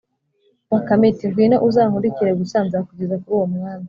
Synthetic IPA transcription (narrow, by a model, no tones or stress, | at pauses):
wakametiwinoʔuzaːŋuɾiciɾeɡusaːnzakuɟezakuɾuːwomŋaːni